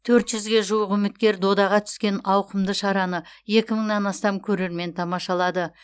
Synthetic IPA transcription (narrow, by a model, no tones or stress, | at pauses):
t̪ʰɵɾt̪ʒʏzɡʲe̞ʒuwəqʏmɪt̪̚kʲe̞ɾd̪o̞d̪ɑʁɑt̪ʰʏ̥skʲe̞nɑwqəmd̪əʃɑɾɑnəje̞kʲɪməɴnɑnɑst̪ɑmkʲʰɵɾe̞ɾme̞nt̪ʰɑmɑʃɑlˠɑd̪ə